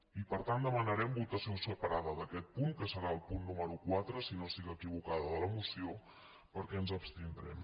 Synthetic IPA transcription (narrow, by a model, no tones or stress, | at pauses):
ipəɾt̪and̪əmənəɾɛmbut̪əsiosəpəɾaðəðəkɛt̪̚puŋkəsəɾaəlˠpunːuməɾukwat̪ɾəsinosiɣəkiβ̞ukaðəðələmusio | pəɾkɛənzəpst̪ind̪ɾɛ̰m